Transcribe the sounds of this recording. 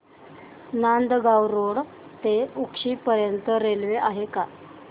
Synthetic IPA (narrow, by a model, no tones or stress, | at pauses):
nand̪ɡawɾoɽ | t̪eukʂiːpəɾjənt̪əɾelʋeʔaɦeka